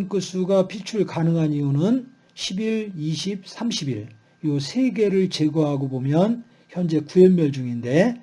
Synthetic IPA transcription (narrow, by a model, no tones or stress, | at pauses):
ŋk͈ɯs͈uɡapit͡ɕʰuɭkanɯŋɦaniunɯn | ɕʰibiɭiɕʰip̚sʰamɕʰibiɭ | josʰe̞ɡe̞ɾɯɭt͡ɕe̞ɡoɦaɡobomjʌn | çjʌnd͡ʑe̞kujemmjʌɭd͡ʑuŋinde̞